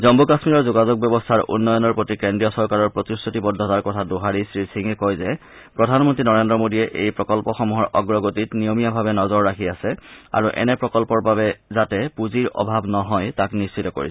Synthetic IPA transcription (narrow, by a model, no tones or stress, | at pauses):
zɔmbukasmiɹɔɹzoɡazoɡ̚bjɔbɔstʰaɹṵnːɔjɔnɔɹpotikendɹijɔsɔɹkaɹɔɹpɹotisotibɔdʱːɔtaɹkɔtʰadoɦaɹisɹisiŋɛkɔjzɛ | pɹɔdʱanmɔntɹinɔɹendɹɔmodiɛʔḛjpɹɔkɔlpɔxɔmuɦɔɹʔɔɡɹɔɡotitnijomijabʱabɛnɔzɔɹːakʰiasɛa̰ɹuʔɛ̰nɛpɹɔkɔlpɔɹbabɛzatɛpuziɹɔ̰bʱabnɔɦɔjtaknist͡ʃʰitɔko̰ɹisɛ